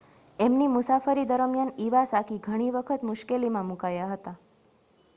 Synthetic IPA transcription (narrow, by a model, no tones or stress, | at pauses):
emnimʊsafəɾid̪əɾəmjaniʋasakiɡʱəɽ̃iʋəkʰət̪mʊʃkelimãmũkajaɦət̪a